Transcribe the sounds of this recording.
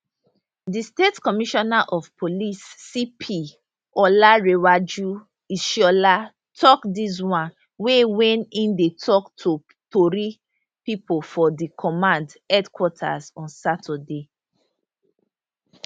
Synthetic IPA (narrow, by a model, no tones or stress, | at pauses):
distetkɔmiʃɔnaʔɔvpʰolisːipʰi | ɔlaɹewad͡ʒu | iʃɔla | tʰɔkdis̬wãn | wewɛ̃nĩndetʰɔktʰu | toɾi | pipofɔdikʰɔmãndɛdkwɔtʰa̰zɔ̃nsatʰɔde